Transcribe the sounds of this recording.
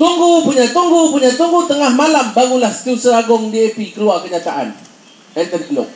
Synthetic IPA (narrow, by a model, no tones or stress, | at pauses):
t̪uŋɡupuɲat̪uŋɡupuɲat̪uŋɡut̪əŋahmalambaɡulahsə̥t̪iusəaɡʊŋdiepikəɾuakəɲat̪aʔa̰n | ɛnt̪ənkəlʊ̰k̚